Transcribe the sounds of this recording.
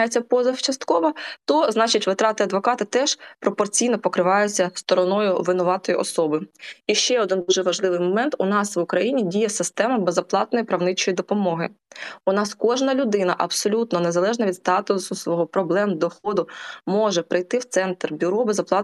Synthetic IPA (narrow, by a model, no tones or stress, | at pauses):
jet͡sʲːɐpɔzɐft͡ʃɐst̪kɔʋɐt̪ɔznɑt͡ʃɪtʲʋɪt̪ɾɑt̪ɪɐd̪ʋɔkɑt̪ɪt̪ɛʃpɾɔpɔrt͡sʲijnɔpɔkɾɪʋɑjʊt͡sʲːɐst̪ɔɾɔnɔjʊʋɪnʊʋɑt̪ɔjiʔɔsɔbɪiʃt͡ʃɛɔd̪ɪnd̪uʒɛʋɐʒlˠɪʋɪjmɔmɛnt̪ʊnɑsʋʊkɾɐjinʲidʲijɛsɪst̪ɛmɐbezɐplˠɑt̪nɔjipɾɐwnɪt͡ʃɔjid̪ɔpɔmɔɦɪʊnɑskɔʒnɐlʲʊd̪ɪnɐʔɐbsɔlʲut̪nɔnezɐlˠɛʒnɐʋʲid̪st̪ɑt̪ʊsʊsʋɔɦɔpɾɔblˠɛmd̪ɔxɔd̪ʊmɔʒɛpɾɪjt̪ɪwt̪sɛnt̪rbʲʊɾɔbezɐplˠɑt̪